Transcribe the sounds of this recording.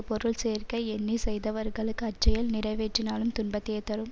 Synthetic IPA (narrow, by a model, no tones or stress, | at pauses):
pɔɾɯɭseːrkɐɪɛnːisɛjðɐʋɐɾɣɐɭɯkːɯɐʈt͡ʃːɐjɐlnɪɾɐɪʋeːʈːrɪnaːlɯmt̪ʊɳbɐt̪ːejɐt̪ːɐɾɯm